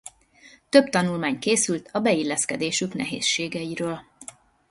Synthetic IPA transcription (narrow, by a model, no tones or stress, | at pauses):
t̪ø̞bt̪ɒnulmaːɲkeːsylt̪ʰɒbɛilːɛskɛd̪eːʃyknɛ̰ɦḛːsʃeːɡɛiɾøːl